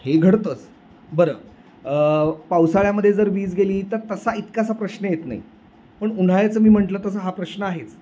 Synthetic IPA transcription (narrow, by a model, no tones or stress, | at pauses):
heɡʱəɽt̪ət͡s | bəɾəː | əpawsaɭjaməd̪ʱːjed͡zəɾʋiːd͡zɡeliːt̪əɾt̪əsait̪kasapɾəɕnəjet̪na̰ɦḭ | pəɳuɽ̤ajat͡səːmiːm̤əɳʈlət̪əsəɦapɾəɕnəaɦet͡s